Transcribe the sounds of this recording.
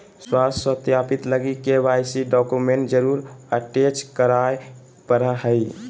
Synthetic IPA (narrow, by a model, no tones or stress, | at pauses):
swasət̪japit̪ləɡikeʋajsiɖɔkumeɳʈ̚d͡ʒəɾuɾəʈet͡ʃkəɾaj | pəɾəɦəj